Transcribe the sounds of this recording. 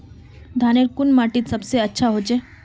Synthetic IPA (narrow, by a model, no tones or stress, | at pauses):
d̪ʱaneɾkunmaʈit̪sɐbseətːʃʰaɦod͡ʒe